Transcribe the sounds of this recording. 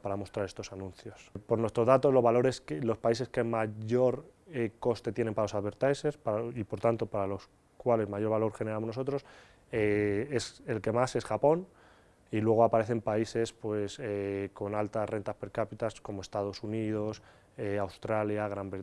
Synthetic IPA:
paɾamo̞st̪ɾaɾe̞st̪o̞sanũnθjo̞spo̞ɾnwe̞st̪ɾo̞zðat̪o̞zlo̞zβalo̞ɾeskelo̞spaise̞skemaʝo̞ɾ | eko̞st̪e̞t̪je̞ne̞mpaɾalosaðβe̞ɾt̪ajse̞spaipo̞ɾt̪ant̪o̞paɾalo̞s | kwale̞zmaʝo̞ɾβalo̞ɾχe̞ne̞ɾamo̞znoo̞t̪ɾo̞s | ee̞se̞lke̞mase̞sxapo̞n | ilwe̞ɣ̞o̞apaɾe̞θe̞mpaise̞spwe̞seko̞nalt̪asre̞nt̪aspe̞ɾkapit̪asko̞moe̞st̪að̞o̞sunið̞o̞s | eawst̪ɾaljaɣɾambe

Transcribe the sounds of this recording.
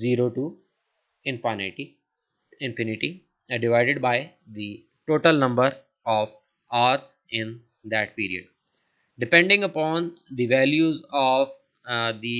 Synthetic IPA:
ziːɾoːʈuː | ɪ̃nfaɪnæʈi | ɪ̃nfɪnɪʈi | ɖɪʋaɪɖeɖ̚baɪ | d̪i | ʈoːʈəlnʌ̃mbəɾ | ɔːʋ | aːɾz | ɪ̃n | d̪æʈ̚piːɾiə̰ɖ | ɖɪpɛ̃ɳɖɪ̃ŋɡəpɔ̃ːnd̪iʋæːljuːzɔːʋ | d̪i

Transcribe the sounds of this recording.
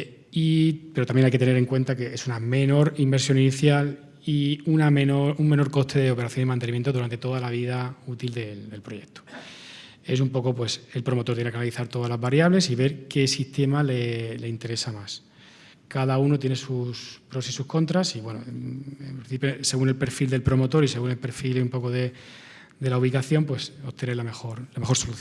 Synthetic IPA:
ipe̞ɾot̪amje̞najket̪ene̞ɾe̞ŋkwe̞nt̪ake̞esuname̞no̞ɾimbe̞ɾsjo̞niniθjal | iunamenouŋme̞no̞ɾko̞ht̪ʰe̞ðeo̞peɾaθjo̞nimant̪enimje̞nt̪oðuɾant̪e̞t̪o̞ðalaβ̞ið̞aut̪ild̪e̞ld̪e̞lpɾo̞je̞k̚t̪o̥ | e̞s̬umpo̞ko̞pwe̞selpɾo̞mot̪oɾt̪jenekanaliθaɾt̪o̞ðazlazβaɾjaβle̞siβe̞ɾke̞sist̪e̞malele̞int̪e̞ɾe̞samas | kaðauno̞t̪jene̞suspɾo̞sisuhko̞nt̪ɾasiβwe̞noempɾĩnθipjose̞ɣune̞lpe̞ɾfild̪e̞lpɾo̞mo̞t̪o̞ɾise̞ɣune̞lpeɾfilumpo̞koðe̞ | d̪e̞lauβ̞ikaθjo̞mpweso̞t̪eneɾlamexo̞ɾlame̞xo̞ɾsoluθ

